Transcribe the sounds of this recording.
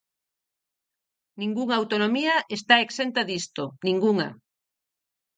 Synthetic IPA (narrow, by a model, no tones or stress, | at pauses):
nĩŋɡuŋawt̪onomiaʔest̪aeksent̪aðist̪onĩŋɡuŋa̰